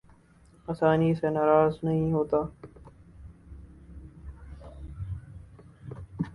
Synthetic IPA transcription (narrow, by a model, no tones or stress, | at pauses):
aːsaːnisenaːɾaːznəɦĩːɦoːt̪aː